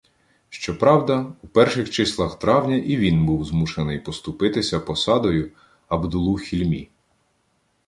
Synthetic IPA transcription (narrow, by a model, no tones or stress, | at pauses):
ʃt͡ʃɔpɾɑwd̪ɐupɛrʃɪxt͡ʃɪslˠɐxt̪ɾɑwnʲɐʔiʋʲinbuwzmuʃenɪjpɔst̪ʊpɪt̪ɪsʲɐpɔsɑd̪ɔjʊ | ɐbd̪ʊlˠuxʲilʲmʲḭ